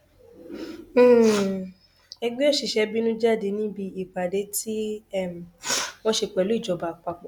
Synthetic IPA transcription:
ɛ˧ɡ͡be˦o˦˨ʃi˨ʃɛ˧bi˦nũ˦d͡ʒa˦˨de˧˦nĩ˦bi˧i˨k͡pa˨de˨˦ti˦ɛ˦˨m˨w̃ɔ̃˧ʃe˧k͡pɛ˨lu˦i˦˨d͡ʒɔ˨ba˨k͡pa˧k͡pɔ˨

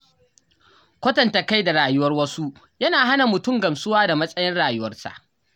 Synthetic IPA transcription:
kʷɐ˦tɐ˨nta˨ka˦jda˨ɽaː˨jʊ˦wɐ˦rwɐ˦su˦ʔ | jɐ˦naː˨ɦa˦na˨mʊ˨tʊ˦ŋɡɐ˨msʊ˦waː˦da˨mɐ˦sʼɐ˦jɪ˦nɽaː˨jʊ˦wɐ˦rsa̰˨ʔ

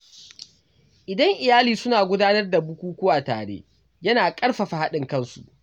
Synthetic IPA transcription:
ʔɪ˨dɐ˦ŋʔɪ˨jaː˦liː˨sʊ˦naː˨ɡʷʊ˦daː˦nɐ˦rda˨bʊ˦kʷuː˦kʷʊ˦waː˨ta̰ː˨ɽḛː˦ | jɐ˦naː˨kʼɐ˦rɸa˨ɸa˨ha˦ɗɪ˨ŋkɐ˦nsu˨

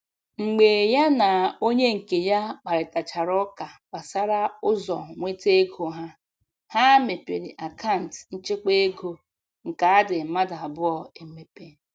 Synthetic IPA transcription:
ŋ͡m̩˨ɡ͡be˨ja˦na˨o˦ɲe˦ŋ̩˨ke˨ja˦k͡pa˨ɾɪ˨ta˨t͡ʃa˨ɾɔ˦ka˨k͡pa˨sa˦ɾa˦ʊ˦zɔ̰˨ŋʷe˦te˦ɡʰo˨ɦa˦ | ha˦me˨pe˨ɾi˨ʔa˨ka˦˨n̩˨tn̩˦t͡ʃe˦k͡pe˦e˦ɡo˨ | ŋ̩˨ka˨a˦dɪ˨ma˦da˨a˨bʊ˦ɔ˨e˨me˨pe˨

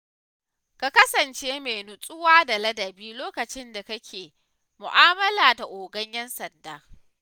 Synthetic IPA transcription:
ka˨kɐ˦sɐ˨nt͡ʃeː˦meː˨nʊ˨sʼʊ˦waː˦da˨lɐ˦dɐ˨biː˦loː˦kɐ˨t͡ʃɪ˦nda˨kɐ˦kʲʰeː˨ | mʊ˨ʔaː˦mɐ˦laː˨da˨ʔoː˨ɡɐ˦ɲjɐ˦nsɐ˨ndaː˦

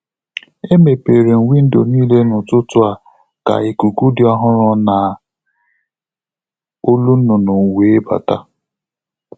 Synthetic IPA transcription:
e˦me˨pe˨ɾe˨ŋ̩˨wʷi˦n̩˦do˨niː˦le˦nʊ˨tʊ˦tʊ˦a˨ | ka̰˨i˨ku˨ku˦dɪ˦ɔ˦ɦʊ˦ɾʊ˦na˨ | o˦lu˦n̩˦nʊ˨no˨ŋ̩˨we˨˦ba̰˨ta̰˦

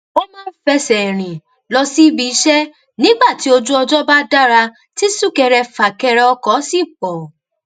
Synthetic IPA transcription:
o˦mãː˦n̩˦fɛ˧sɛ˨ɾ̃ĩ˨ | lɔ˧si˦i˦bi˧˦ʃɛ˦ | nĩ˦ɡ͡ba˦˨ti˨˦o˧d͡ʒu˦ɔ˧d͡ʒɔ˦ba˦da˦ɾa˧ | ti˦su˦˨kɛ˧ɾɛ˧fa˨kɛ˧ɾɛ˧ɔ˧kɔ˨˦si˦˨k͡pɔ˨

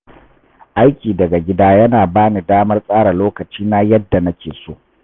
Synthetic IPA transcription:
ʔa˦jkʲiː˨dɐ˨ɡa˨ɡʲɪ˦daː˦jɐ˦naː˨baː˦ni˨daː˦mɐ˦rsʼaː˦ɽa˨loː˦kɐ˨t͡ʃiː˦naː˦jɐ˦dːa˨nɐ˦kʲeː˨soː˦

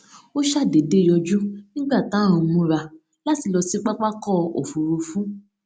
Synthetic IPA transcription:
o˦ʃa˦˨de˨de˨˦˨jɔ˧d͡ʒũ˦nĩ˦ɡ͡ba˦˨tã˨˦˨ũ˧mũ˧ɾa˧ | la˨˦ti˧lɔ˧si˦k͡pa˦k͡pa˦kɔ˦˨o̰˨fu˨ɾu˧fũ˦

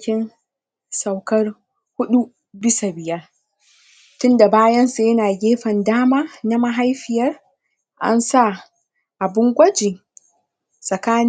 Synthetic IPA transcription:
kʲɪ˦n | sa˨wkɐ˦r | hʊ˦ɗu˦ | bɪ˦sa˨bɪ˨jɐ˦r | tʊ˦nda˨baː˦jɐ˦nsa˨jɐ˦naː˨ɡʲeː˦ɸɐ˨ndaː˦maː˦na˦ma˦ɦa˦jɸɪ˨jɐ˦r | ʔa̰˦nsa˦˨ | ʔa˨bɪ˦ŋɡʷɐ˦d͡ʒi˨ | sʼɐ˨kaː˦n

